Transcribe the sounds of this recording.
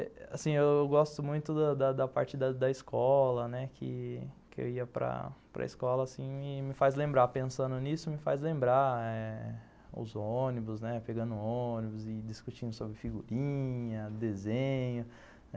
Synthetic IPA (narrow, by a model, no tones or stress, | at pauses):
ɛa̰sĩewewɡɔst̪ʊmũj̃t̪ʊd̪ɐd̪ɐd̪ɐpa̰ɾt͡ʃɪd̪ɐd̪ɐiskɔlɐnɛkʰɪ̰kɪḛwiɐpɾɐ̰pɾɐ̰ḭskɔlɐːsĩmɪmɪfajzlẽmbɾapẽsɐ̃nd̪ʊnisʊmɪfajzlẽmbɾaɛ | ʊ̰zonibʊznɛpeɡɐ̃nd̪ʊonibʊzɪd͡ʒiskut͡ʃĩnd̪ʊsobɾɪfiɡuɾĩɲɐd̪ezẽɲʊ | ɛ